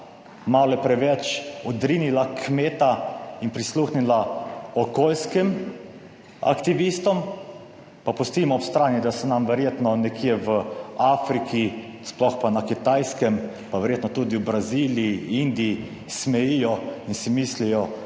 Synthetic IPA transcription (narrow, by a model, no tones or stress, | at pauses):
malɔɛpɾɛʋɛt͡ʃɔd̪ɾinilakʰmeːt̪ainpɾisluxnilaɔkolskɛm | a̰kt̪iʋist̪ɔm | papust̪iːmɔːpst̪ɾaːnid̪asɛnamʋɛɾjeːt̪nɔnɛkʰiɛʋəafɾikʰisplɔxpanakit̪ajskɛm | paʋɛɾjeːt̪nɔt̪ud̪iwbɾaziliiind̪ii | smɛjijɔinsimislijɔ